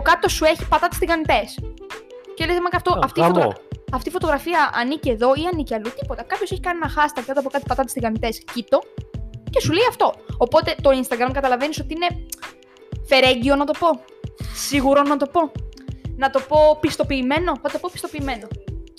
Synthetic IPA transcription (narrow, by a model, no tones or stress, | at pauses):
kɐt̪o̞sue̞çipɐt̪ɐt̪ist̪iɣɐnit̪e̞s | celezmɐkɐft̪oɐft̪ifot̪oɐft̪ifo̞t̪o̞ɣɾɐfiɐʔɐnicie̞ðo̞iɐniciɐlut̪ipo̞t̪ɐkɐpçose̞çi̥kɐnienɐxɐst̪ɐɾkɐt̪oɐpo̞kɐt̪i̥pɐt̪ɐt̪i̥siɣɐnit̪e̞scit̪o̞ce̞suleiɐft̪o̞opo̞t̪e̞t̪o̞inst̪ɐɡɾɐmkɐt̪ɐlɐve̞nisot̪iine̞ | fe̞ɾe̞ɲɟio̞nɐt̪o̞po̞ | siɣuɾo̞nɐt̪o̞po̞ | nɐt̪o̞po̞pist̪o̞piːme̞no̞θɐt̪o̞po̞pi̥st̪o̞piːme̞no̞